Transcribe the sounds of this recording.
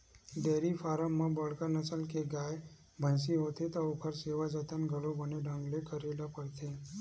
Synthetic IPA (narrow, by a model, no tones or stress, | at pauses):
d̪eːɾifʰaːɾəmmãbəɽ̤kanəsəlkeɡaːj | bʱə̃nsiɦoːt̪ʰet̪ɔokʰəɾseːʋad͡ʒət̪ənɡʱəɽobəneɖʱə̃ŋɡlekəɾelapəɽt̪ʰeː